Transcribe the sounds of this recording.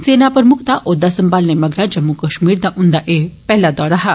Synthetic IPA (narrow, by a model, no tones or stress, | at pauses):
senapɾəmukʰt̪aʔod̪asəmbalneməɡʱɽad͡ʒəmːukəʃmiːɾd̪aʔũnd̪aʔepɛɦlad̪aɾaɦa